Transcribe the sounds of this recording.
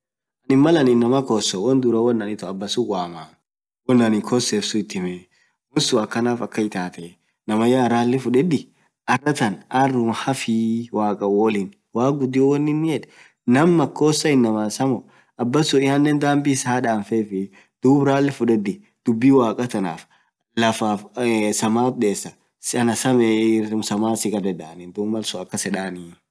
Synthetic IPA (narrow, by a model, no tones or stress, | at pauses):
ɐnɪmːɐlɐnɪnːɐmɐkoːsɔwɔnd̪uɾɐwɔnːɐnɪt̪ɔɐbːɐsʊɡʷaːmaː | wɔnːɐnɪkʰɔseːfsʊɪt̪ːɪmɛ | wɔsʊɐkːɐnaːfɐkːɐɪt̪aːt̪ɛ | nɐmɐjaɾaːlːɪfʊᶑɛd̪ɪ | ʔɐrːɐt̪ɐnʔɐrːʊhɐfiwaːkʼɐwɔlɪn | waːɡʊd̪ɪɔwɔnːɪnːɪɛᶑɛ | nɐmːɐkːoːsːɐɪnːɐmaːsɐmɔ | ɐbːɐsʊɪhɐnːɛnd̪aːmbiːsaːᶑaːnfefɪ | d̪̥uːbɾaːlːɪfʊᶑɛd̪ɪ | d̪̥ʊbːiːwaːkʼɐt̪ɐna̰ːf | lɐfaːfsɐmaːbeːsːɐ | sɐnɐsɐmɛʊmsɐmaːsɪkʼɐd̪ɛd̪aːnɪnd̪uːmːɐlsʊɐkːɐsɛᶑaːni